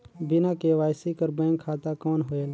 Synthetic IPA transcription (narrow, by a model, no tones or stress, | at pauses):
bɪnãːkeːʋaːɪsiːkəɾbɛ̃ːŋkʰːaːt̪aːkoːnɦoːeːl